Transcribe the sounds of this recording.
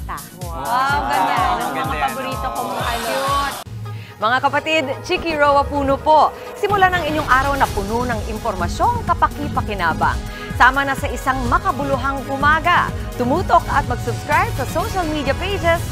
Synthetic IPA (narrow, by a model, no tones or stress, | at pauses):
t̪akoawɡɐnanɐŋmɐŋapɐboɾiːt̪okomɐŋaʔɐjot̪̚ | mɐŋakɐpɐt̪id̪t͡ʃikiɹowɐpuːnopo̞ʔ | sɪmʊlanɐŋɪɲjoŋʔaːɾɐwnɐpʊnonɐŋʔɪmpoɾmɐso̞ŋkɐpɐkɪpɐkɪnaːbɐ̰ŋ | saːmɐnɐsɐʔɪsaŋmɐkɐbʊlʊɦaŋʔʊmaːɡɐ̰t̪ʊmuːt̪o̞kɐt̪̚mɐɡsʊbskɾajb̚sɐsoʃɐlmid̪jɐpejd͡ʒɛs